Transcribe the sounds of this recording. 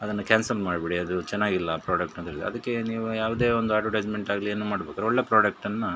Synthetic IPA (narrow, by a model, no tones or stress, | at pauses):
ɐd̪ɐnːɐkaːnsɐlmaːɖbeɽiɐd̪ut͡ʃɛnːaːɡilːɐpɾoːɖɐk̚ʈnɐnt̪eɭid̪ḛɐd̪ɐkːe̞niːʋujaːʋɐd̪e̞ːond̪uaːʈuɖɐd͡ʒmeɳʈaːɡlieːnːuːmaːɽbeːkaːɾeoɭːe̞ːpɾoːɖɐk̚ʈɐnːɐ